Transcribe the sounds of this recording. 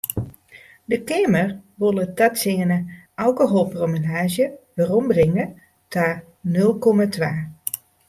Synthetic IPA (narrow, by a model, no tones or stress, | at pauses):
dəkeːmərʋolˠətatsɪːənəʔawkoɦoːlˠpromilaːʒjəʋərɔmbrɪŋə | tʰa | nɵlˠkɔmatʰʋaː